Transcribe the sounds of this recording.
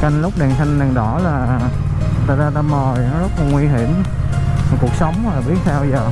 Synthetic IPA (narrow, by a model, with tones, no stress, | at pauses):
ka˧ŋlʊ˦˥k͡p̚ɗɛ˨˩nsa˧ŋ̟ɗa˨˩ŋɗɔ˧˩˦laː˨˩ | t̪a̰ː˨˩zaː˧t̪aː˧mə˨˩jzə˦˥t̚laː˨˩ŋwi˧ɦi˧˩˥əm˨˩ | ku˨˩ək̚sə˨˦wŋ͡maː˨˩ɓi˦˥ət̚t̪ʰa˧wzəː˨˩